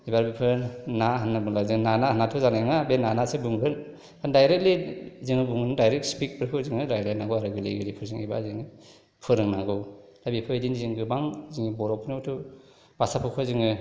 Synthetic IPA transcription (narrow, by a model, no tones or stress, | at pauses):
ibaɾbipʰɯɾnaɦanːabɯŋlaziŋnanaɦanːatʰuzanaŋabenanasɯbuŋbʰɯl | kʰandajɾek̚liziŋɯbuŋɯndajɾek̚spik̚pʰɯɾkʰɯziŋɯɾajlajnaŋɡowaɾɯɡɯleɡɯɾipʰɯɾziŋiba̰ziŋɯ | pʰɯɾɯŋnaŋɡɯw | labipʰɯidiniziŋɡɯbaŋziŋibɔɾɔpʰnowtʰu | basapʰɯkʰɯziŋɯ